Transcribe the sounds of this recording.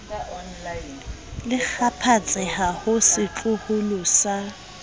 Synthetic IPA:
lɪk͡xʰapʰat͡sʼɪhahʊsɪt͡ɬʼʊhʊlʊsa

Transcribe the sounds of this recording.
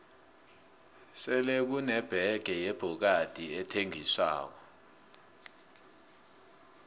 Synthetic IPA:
sɛlek̬unɛb̥ʱɛɡ̥ʱɛjeb̥ʱuk̬ad̥ʱiɛtʰeŋiswa̰ːk̬ɔ

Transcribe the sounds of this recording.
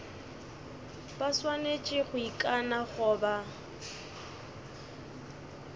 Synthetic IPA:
baswanet͡ʃʼɪɣʊikʼanaχʊːba

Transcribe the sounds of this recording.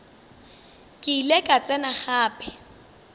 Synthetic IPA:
kʼɪilekʼat͡sʼɛnaχaːpʼɪ

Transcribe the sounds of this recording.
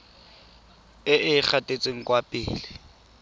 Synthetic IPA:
ɪʔɪk͡xʰatʼet͡sʼeŋ̩kʼwapʼɪ̰ːlɪ

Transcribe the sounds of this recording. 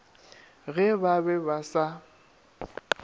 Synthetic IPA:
ɣɛbabɛbasa

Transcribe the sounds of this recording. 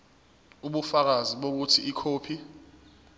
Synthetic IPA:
uɓufak̬aziɓok̬utʰiikʰoːpʰi

